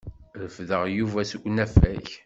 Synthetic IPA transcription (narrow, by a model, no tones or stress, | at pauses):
ðəfðəʁjuvæsəɡʷnæfæç